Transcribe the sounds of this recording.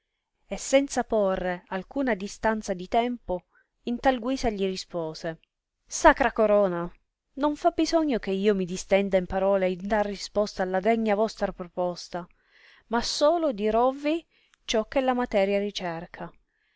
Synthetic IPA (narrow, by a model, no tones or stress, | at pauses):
esːɛnt̪saporːealkuːnad̪ist̪ant̪sad̪it̪ɛmpo | int̪alɡwiːsaʎirispɔːse | sakɾakoɾɔːna | noɱfabizɔɲːok̟eiːomid̪ist̪ɛnd̪aimpaɾɔːleind̪alrispɔst̪aːlːad̪ɛɲːavɔst̪ɾapɾopɔst̪a | masoːlod̪iɾɔvːi | t͡ʃɔkːelːamat̪ɛːɾjarit͡ʃɛrkʰa